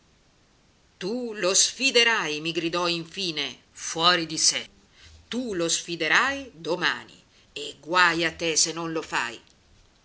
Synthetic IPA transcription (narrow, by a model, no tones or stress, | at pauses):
t̪ulosfid̪eɾajmiɡɾid̪ɔiɱfiːne | fwɔːɾid̪isɛ | t̪ulosfid̪eɾajd̪oma̰ːnḭ | eɡwajat̪ːesenːonlofa̰j